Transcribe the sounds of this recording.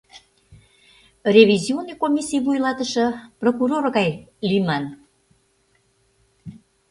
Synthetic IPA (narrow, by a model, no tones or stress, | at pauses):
rʲeβʲizionːijkomʲisijβujlɑt̪əʃɤ̆prokuɾorɣɑjlyjmɑn